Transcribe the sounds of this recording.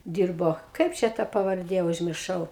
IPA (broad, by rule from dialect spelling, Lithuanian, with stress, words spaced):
ˈdʲiːrboː ˈkɐɪp t͡ʃʲɛ tɐ pɐʋɐrʲˈdʲeː ʊʒʲmʲɪrˈʃɐʊ